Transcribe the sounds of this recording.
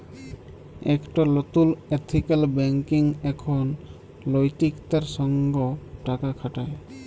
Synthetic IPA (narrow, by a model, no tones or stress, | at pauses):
ɛkʈalɔt̪ulet̪ʰikalbɛŋkiŋɛkʰon | lojt̪ikt̪aɾʃɔŋɡoʈakakʰaʈae